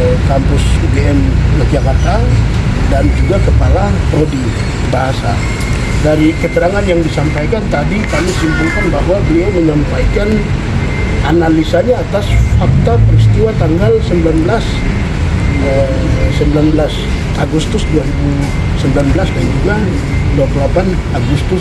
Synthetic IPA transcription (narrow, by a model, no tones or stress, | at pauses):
kampʊsubeɛmmad͡ʒakart̪adand͡ʒuɡakəpalapɾodi | baɦasa̰ | daɾikət̪əɾaŋanjaŋdisampajkant̪adikamɪsimpulkanbaɦwabəliaməɲampajkan | ʔanalisaɲaːt̪asfak̚t̪apəɾist̪iwat̪aŋɡalsəmbilanbəlas | ə | səmbilanblas | aɡust̪ʊsduaɾibu | səmbilanbəlasband͡ʒuɡa | duakəlapan | aɡust̪ʊ